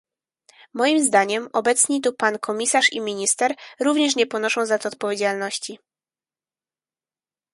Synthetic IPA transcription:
mɔjimzd̪aɲɛmɔbɛt̪sɲit̪upankʰɔmʲisaʂḭmʲiɲist̪ɛɾɾuvɲɛʂ̬ɲɛpɔnɔʂɔ̃w̃zat̪ːt̪̚pɔvʲed͡ʑalnɔɕt͡ɕi

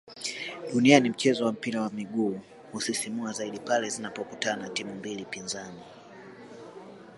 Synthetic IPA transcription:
ɗunianim̩t͡ʃɛzɔwam̩piɾawamiɠuː | husisimuazaiɗipalɛzinapɔkutanatimumbilipinzani

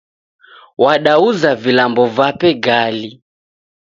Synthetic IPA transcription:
waɗauzavilambɔvapɛɡali

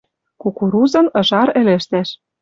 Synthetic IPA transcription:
kukuɾuzɤ̆nɤ̆ʒɑɾĕlɘ̆ʃt̪æʃ

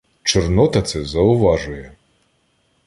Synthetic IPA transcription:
t͡ʃɔrnɔt̪ɐt̪sɛzɐʊʋɑʒʊjɛ

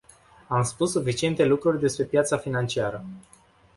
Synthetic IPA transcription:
amspusːufit͡ʃie̞nt̪e̞lukɾurʲd̪e̞spɾe̞pjat̪safinant͡ʃiaɾə

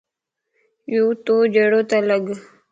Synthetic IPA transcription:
jut̪od͡ʒeɽot̪aləɡ

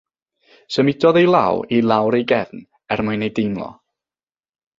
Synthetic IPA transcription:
səmɪdɔðejlˠa̰wilˠawɾejɡɛvn | ɛrmʊɨnejdejnlˠɔ̰

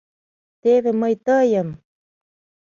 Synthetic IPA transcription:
t̪eðeməjt̪əjəm

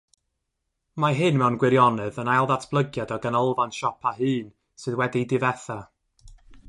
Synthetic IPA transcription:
maɦɨnmɛwnɡwɪɾjɔnɨðənajlˠðatʰb̥lˠəɡjadɔɡanəlˠvanʃɔpʰaɦɨːn | sɨðwɛdidɨvɛθa

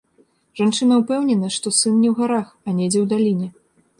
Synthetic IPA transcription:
ʐ̥ant͡ʂɨnɐwpɛwnʲɛnɐʂt̪ɔsɨnnʲɛwɣaɾaxɐnʲɛd͡zʲɛwd̪alʲinʲɛ

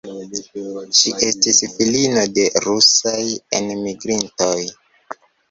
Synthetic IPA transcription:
ʃiʔe̞stisfilinode̞ɾusajḛnmiɡɾintoj

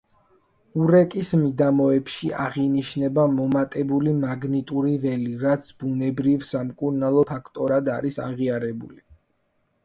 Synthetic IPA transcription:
uɾɛkʼismid̪amɔɛpʃiʔaʁiniʃnɛbamɔmat̪ʼɛbulimaɡnit̪ʼuɾivɛliɾat̪sʰb̥unɛbɾivsamkʼuɾnalˠɔpʰakʰt̪ʼɔɾad̪aɾisa̰ʁiaɾɛbṵli

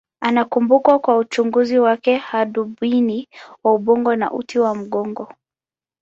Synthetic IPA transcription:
anakumbukwakwaut͡ʃuŋɡuziwakɛhaɗuɓwiniwauɓɔŋɡɔna̰ʔutʰiwam̩ɠɔŋɡɔ

